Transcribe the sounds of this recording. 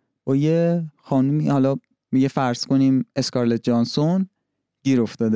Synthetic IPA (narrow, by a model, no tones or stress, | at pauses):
b̥ɒːjexɒːnumiːhɒlɒ | miɟefæɾz̥ko̞niːme̞skɒɾlet̪̚d͡ʒɒːnson | ɟ̥iːɾo̞ft̪ɒːd̪e